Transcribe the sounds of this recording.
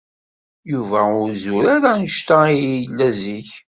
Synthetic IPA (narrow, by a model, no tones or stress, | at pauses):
juvæʊɾzʊɾaɾænəʃt̪aijlːæziç